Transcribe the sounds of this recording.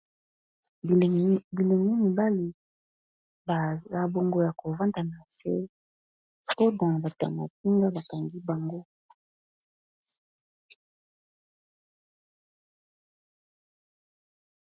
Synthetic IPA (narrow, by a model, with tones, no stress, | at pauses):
bi˨le˨ŋi˦mi˨ba˦li˨ | ba˨a˨bo˨ŋɡo˨ja˨ko˨va˦nda˨na˨se˦ | po˦da˨ba˨ta̰˨ma̰˨t̚i˦ŋɡa˦ba˨ka˨ŋɡi˦ba˨ŋɡo˦